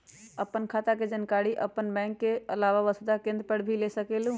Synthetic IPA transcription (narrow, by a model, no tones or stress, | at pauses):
əpːənkʰat̪aked͡ʒənkaɽiʔə̰pːənbɛ̃ŋkːeəlaʋaʋəsd̪akẽːnd̪ɾpəɽbʱilesəkelũ